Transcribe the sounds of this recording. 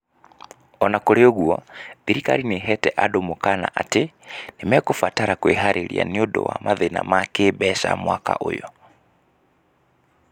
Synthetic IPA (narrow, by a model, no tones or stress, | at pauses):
ɔnakoɾeoɣuaðiɾika̰ɾineɦɛtɛʔadomokana̰ʔatenemɛkofataɾakweɦaɾʔeɾḭa̰niodɔ̰wa̰maðena̰makeːbɛʃa̰mwaka̰ʔo̰jɔ